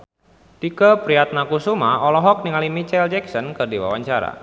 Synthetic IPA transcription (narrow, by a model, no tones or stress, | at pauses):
t̪ikəpɾiat̪̚nakusumaɔlɔɦɔk̚niŋalimit͡ʃɛld͡ʒɛksɔnkɨrdiwa̰waɲt͡ʃaɾa̰